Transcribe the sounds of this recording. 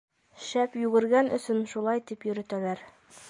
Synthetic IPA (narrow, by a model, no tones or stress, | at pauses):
ʃæpjuʁɘ̆ɾɡænʔɵ̆sɵnʃulˠɑjt̪ipjɵ̆ɾɘ̆t̪ælæɾ